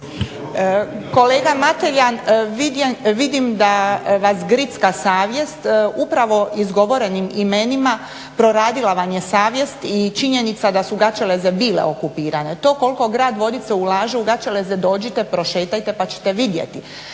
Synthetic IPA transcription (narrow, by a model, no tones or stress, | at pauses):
ko̞le̞ːɡamat̪eʎanʋiʋid̪imd̪aʋasɡɾit̪skasaːʋje̞st̪upɾaʋo̞izɡo̞ʋo̞ɾe̞nimimenima | pɾo̞ɾaːd̪ilaʋamje̞saːʋje̞st̪it͡ʃiɲenit̪sad̪asuɡat͡ʃelezebiːlḛokupiːɾane̞t̪o̞ːko̞lko̞ɡɾaːd̪ʋo̞d̪it̪seulaːʒeuɡat͡ʃelezed̪o̞ːd͡ʑit̪e̞pɾo̞ʃe̞ːt̪ajt̪e̞pat͡ɕe̥t̪e̞ʋid̪jḛt̪i